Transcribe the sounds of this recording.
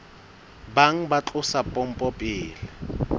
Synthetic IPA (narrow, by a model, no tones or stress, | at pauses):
baŋ̩bat͡ɬʼʊsapʼɔm̩pʼɔpʼɪːlɪ